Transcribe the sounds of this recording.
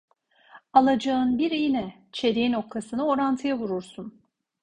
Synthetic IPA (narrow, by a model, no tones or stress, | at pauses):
alˠad͡ʒaɯnbiɾijinɛ | t͡ʃʰe̞ɾiino̞k̚t̪ʰasɯnao̞ɾant̪ʰɯjavuɾuɾsun